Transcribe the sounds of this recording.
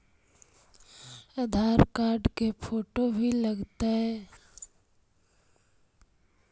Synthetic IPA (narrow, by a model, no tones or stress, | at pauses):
ɐd̪ʱaːɾkaːɾɖkepʰoːʈobʱiləɡt̪aɦɛː